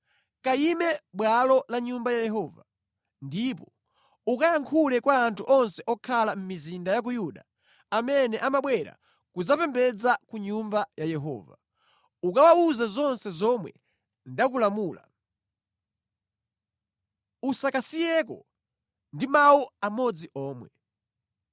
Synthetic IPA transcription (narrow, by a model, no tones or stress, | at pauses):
kaimɛɓwalɔlaɲumbajajɛɦɔːva̰ | ndipɔ | ukajaŋkʰulɛkwaːntʰuʔɔnsɛʔɔkʰalam̩mizindajak̬ujuɗa | amɛnɛʔamaɓwɛɾa̰ | kud͡zapɛmbɛd͡zakuɲumbajajɛɦɔ̰ːva̰ | ukawauzazɔnsɛzɔmwɛ̰ | ndakulamuːla | usakasijɛkɔ̰ | ndimawuamɔd͡ziʔɔːmwɛ